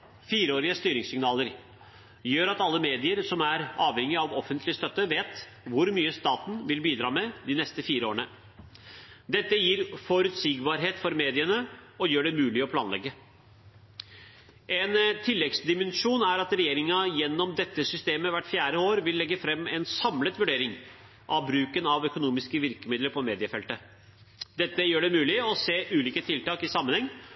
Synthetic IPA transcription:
fiːɾəoːɾɪəst̪yːɾɪŋsɪŋnɑːləɾ | jøːɾɑt̪ɑlːəmeːd̪ɪəɾsɔmæɾɑːʋhɛŋːɪɑʋɔfənt̪ʰlɪəst̪œt̪ːəʋeːt̪ | ʋʊɾmyːəst̪ɑːt̪n̩ʋɪlbiːd̪ɾɑːmɛd̪ɪnɛst̪əfiːɾəo̰ːəɳə | d̪ɛt̪ːəjiːɾfɔɾʉt̪siːɡbɑːɾɦeːt̪fɔɾmeːd̪ɪənəɔjøːɖɛmʉːlɪɔpʰlɑ̰ːnlɛ̰ɡːə | ʔɛnt̪ʰɪlːɛɡsd̪ɪmənʂuːnæɾɑt̪ɾɛjeːɾɪŋɑjɛnːɔmd̪ɛt̪ːəsʏst̪eːməʋæʈːfjæːɾəoːɾʋɪlːɛɡːəfɾɛmːɛnsɑmlət̪ʋʉɖeːɾɪŋ | ʔɑʋbɾʉːkənɑʋœkʊnuːmɪskəʋɪɾkəmɪd̪ləɾpʰɔmeːd̪ɪəfɛlt̪ə | d̪ɛt̪ːəjøːɖɛmʉːlɪɔseːʔʉːliːkət̪ʰɪlt̪ɑːkɪsɑmːənhɛŋː

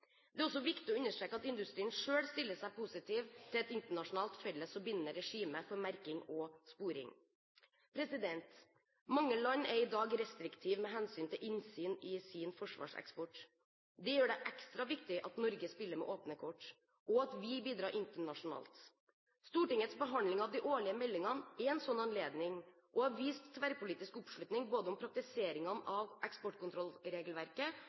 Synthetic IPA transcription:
d̪ɛæɾɔsːɔʋɪkt̪ɪɔʉnːəʂʈɾeːkːəɑt̪ɪnd̪ʉst̪ɾiːənʂøːɽst̪ɪlːəʂæɪpʰusɪt̪ʰiːʋt̪ʰɪlɛt̪ɪnt̪əɳɑʂʊnɑːlt̪fɛlːəsɔbɪnːəɾɛʂiːməfɔɾmæɾkɪŋɔspuːɾɪ̰ŋ | pʰɾɛsɪd̪ɛnt̪ | mɑŋːəlɑɲːɛɾɪd̪ɑːɡɾɛst̪ɾɪkt̪ʰiːʋmɛɦɛnsyːnt̪ʰɪlʔɪnsyːnɪsɪnfɔʂʋɑ̰ːʂɛ̰kspɔʈ | d̪ɛjøːɖɛʔɛkst̪ɾɑʋɪk̚t̪ɪʔɑt̪nɔɾɡəspɪlːəɾmɛ̰ʔoːpnəkʰɔʈː | ʔɔɑt̪ʋɪbiːd̪ɾɑːɾʔɪnt̪əɳɑʂʊnɑ̰ːlt̪ | st̪uːʈɪŋːət̪sbəɦɑnlɪŋɑʋd̪ɪʔoːɭɪəmɛlːɪŋɑnɛɛnsɔnːɑnleːd̪nɪŋ | ʔɔhɑʋiːst̪ʰːʋæɾpʰʊliːt̪ɪskɔpʂɭlʉt̪nɪŋboːd̪əɔmpʰɾɑk̚t̪ɪseːɾɪŋɑnɑʋɛkspɔʈkʊnt̪ɾɔlɾeːɡəlʋæɾkə

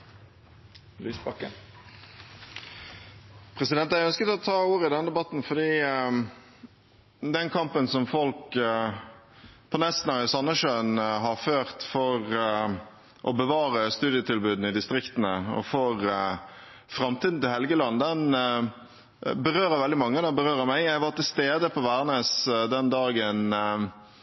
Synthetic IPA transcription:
lyːsbɑkːə̰ | pʰɾɛsɪd̪ɛnt̪æœnskət̪ɔt̪ʰɑːuːɾəɪd̪ɛnd̪ɛbɑt̪nfɔd̪iː | d̪ɛnkʰɑmpənsɔmfɔlk | pʰɔnɛst̪n̩ɑɪsɑnːəʂøːnɦɑɾføːʁt̪fɔɾ | ʔɔbəʋɑːɾəst̪ʉːd̪ɪət̪ʰɪlbʉːd̪n̩ɪd̪ɪst̪ɾɪkt̪ənəɔ̰foːɾ | fɾɑmt̪ʰiːd̪n̩t̪ɪlɦɛlɡəlɑnːd̪ɛn | bəɾøːɾəɾʋɛld̪ɪmɑŋːəd̪ɑbəɾøːɾəmæɪjæɪɑʋɑt̪ʰɪlst̪eːd̪əpʰɔʋæːɾneːsd̪ɛnd̪ɑːɡən

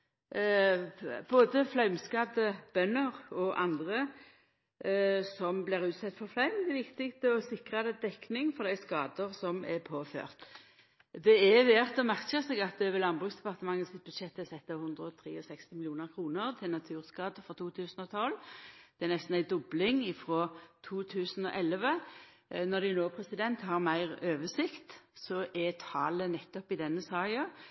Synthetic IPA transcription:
boːd̪əflœʉmskɑːd̪əb̥œnːəʁɔʔɑnd̪ʁə | sɔmblɪʁʉːt̪sɛt̪ːfɔʁflœʏmd̪ɛʋɪkt̪ɪkst̪əɔsɪkʁɑd̪ɛd̪ɛknɪŋfɔʁd̪æɪskɑːd̪əʁsɔmɛpʰoːfø̰ːʁt̪ | d̪ɛɛʋɛʁt̪ɔmæʁkəsɛɡɑt̪̚d̪ɛʋɛlɑnbʁʉːksd̪ɛpɑʁt̪əmɑŋːəsɪt̪̚bʉd̪ʂɛt̪ːɛsɛt̪ːɑhʊnd̪ɾəɔt̪ʰɾḭːɔsɛkst̪ɪmɪlɪuːnəɾkʰɾuːnəɾt̪ʰɪlnɑt̪ʰʉːʁskɑːd̪əfɾɔt̪ʰuːt̪ʰʉːsən̩ɔt̪ʰɔlːd̪̥ɛænɛst̪n̩æɪd̪ʊblɪŋɪfɾɔːt̪ʰuːt̪ʰʉːsən̩ɔ̰ʔɛlʋə | nɔʁɾd̪ɛjʊnoːpʰɾɛsɪd̪ɛnt̪hɑɾmæɪʁøːʋəsɪkt̪sɔʔɛt̪ʰɑ̰ːlənɛt̪ːɔpɪd̪ɛnːəsɑːjɑ

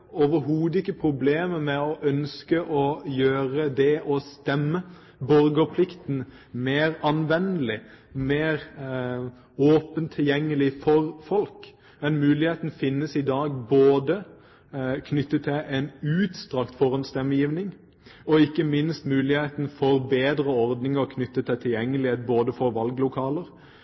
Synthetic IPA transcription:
ɔʋəɦuːd̪ɪkːəpʰɾʊbleːməmɛɔʔœnskəʔɔjøːɾəd̪ɛʔɔst̪ɛmːə | bɔɾɡəpʰlɪkt̪n̩ | meːɾɑnʋɛnːəlɪmeːɾ | oːpənt̪ʰɪljɛŋːəlɪfɔɾfɔlk | mɛnmʉːlɪheːt̪n̩fɪnːəsɪd̪ɑːɡboːd̪ə | kʰnʏt̪ːət̪ʰɪʔɛnʉːt̪st̪ʁɑkt̪fɔʁɑnst̪ɛmːəjiːʋnɪŋ | ɔɪkːəmɪnst̪mʉːlɪheːt̪n̩fɔɾbeːd̪ɾəɔɾd̪nɪŋɔkʰnʏt̪ːət̪ʰɪlt̪ʰɪljɛŋːəlɪheːt̪̚boːd̪əfɔɾʋɑlɡlʊkʰɑːləɾ

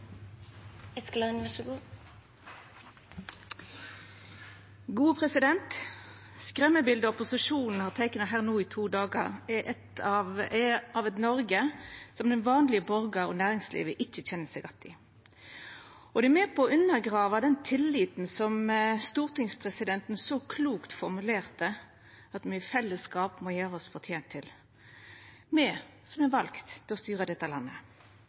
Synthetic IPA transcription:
ɛsklɑnʋæʃəɡuː | ɡuːəpʰʁɛsɪd̪ɛnt̪ | skʁɛmːəbɪld̪əɔpʊsɪʃuːnn̩hɑːʁt̪ʰɛɪknɑɦæːʁnuːiːt̪ʰuːd̪ɑːɡɑ̰ʁɛʔɛt̪ɑʋɑʋɛt̪nɔʁɡəsɔmd̪ɛnʋɑːnlɪəbɔʁɡɑʁɔ̰ːnæːʁɪŋslḭːʋəʔɪçəçɛnəsɛɪɡɑt̪ːɪ | ʔɔd̪ɛɛmɛːpʰɔɔʉnːəɾɡʁɑːʋɑd̪ɛnt̪ʰɪlːiːt̪nsɔmst̪uːʁt̪ɪŋspʰʁɛsɪd̪ɛnt̪n̩sɔkʰluːkt̪fɔʁmʉleːʁt̪ə | ɑt̪myːfɛlːəskɑːpmɔjæːʁəɔsfɔʁt̪ʰjeːnt̪ʰːɪl | mɛsɔmɛʋɑlkt̪ʰːɪlɔst̪yːʁəd̪ɛt̪ːəlɑnːə

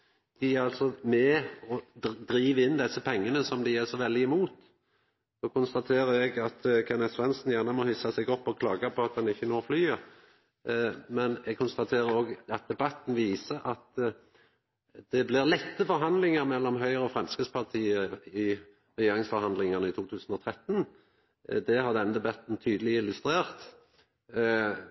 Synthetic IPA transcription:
d̪̥ɪæɾɑlt̪sɔmɛɔd̪ɾiːʋɪnd̪ɛsːəpʰɛŋːənəsɔmd̪ɪæʁsɔʋɛld̪ɪɪmuːt̪ | oːkʊnst̪ɑt̪ʰeːɾəɛɡɑt̪kʰɛnɛt̪sʋɛnsn̩jæʁnəmɔhʏsɑsɛɡɔpːɔkʰlɑːɡɑpʰɔɑt̪̚d̪ɑnɪçːənoːɾflyːə | mɛnɛɡ̚kʰʊnst̪ɑt̪ʰeːɾəɾoːɡɑt̪̚d̪ɛbɑt̪ːn̩ʋiːsəʔɑt̪ | d̪̥ɛblɪʁlɛt̪ːəfɔɾɦɑnd̪lɪŋəɾmɛlːɔmɦœʏʁəɔfɾʁɛmskəspʰɑʁt̪ʰiːəɪ | ʁɛjeːʁɪŋsfɔɾhɑnd̪lɪŋənəɪt̪ʰuːt̪ʰʉːsn̩ɔt̪ʰʁɛt̪ːn | d̪ɛhɑʁd̪ɛnd̪ɛbɑt̪n̩t̪ʰyːd̪əlɪɪlʉst̪ɾeːʁt̪

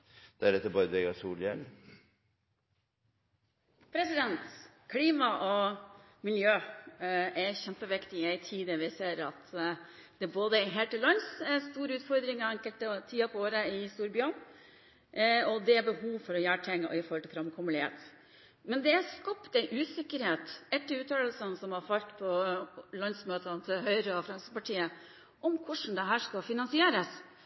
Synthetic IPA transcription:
d̪̥æɾɛt̪ːəbɑːɾd̪ʋɛɡɑsuːljɛn | pʰɾɛsɪd̪ɛnt̪ | kʰliːmɑʔɔ | mɪljøː | æçɛmpəʋɪkt̪ɪæɪt̪ʰiːd̪əʋɪseːɾɑt̪d̪̥ɛboːd̪əɦɛːlt̪əlːœnsɛst̪uːɾəʉːt̪fɔɾd̪ɾɪŋɑɛŋkəlt̪ət̪ʰiːɑpʰɔoːɾəɪst̪uːɾbjøːɳ | ɔd̪ɛæbəhuːʋfɔɾɔjæːʈʰɛŋːəɔ̰ɪfɔɾlt̪ʰɪfɾɑmkʰɔmlɪhḛːt̪ | mɛnd̪ɛæskɑpːd̪ɛʔʉːsɪkːəɾheːt̪ɛt̪ːəʉːt̪ʰɑːəlsənsɔmhɑɾfɑlt̪pʰɔlœnsmøːt̪ənt̪ʰɪlɦœʏɾəɔfɾɑŋsəpɑʈʰiːə | ʔɔmkʰʊʂɳ̩d̪ɛɦæːʂkɑfɪnɑnsɪeːɾəs

